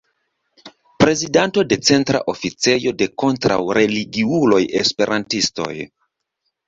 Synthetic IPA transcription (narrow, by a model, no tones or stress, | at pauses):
pɾe̞zidanto̞de̞t͡se̞ntɾa̰ʔo̞fit͡se̞jo̞de̞ko̞ntɾa̰wɾe̞liɡiulo̞jespe̞ɾʔantisto̞̰j